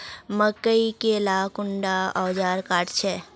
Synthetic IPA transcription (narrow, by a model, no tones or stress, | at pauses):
məkːəikelaːkʊɳɖaɔːd͡ʒaːɾkaːʈt͡ʃʰɛ